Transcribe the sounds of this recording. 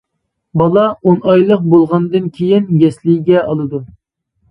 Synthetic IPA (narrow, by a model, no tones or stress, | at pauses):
bɑlˠɑonɑjlˠəq̚bolˠʁɑnd̪ɨnkʲʰejɪnɡʲɛslɪjɡʲɛɑlˠɨd̪u